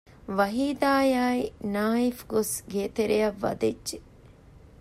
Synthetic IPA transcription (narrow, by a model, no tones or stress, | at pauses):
ʋɐɦiːd̪aːjaːinaːifɡosɡeːt̪eɾejɐʋːɐ̰d̪ed͡ʒʒe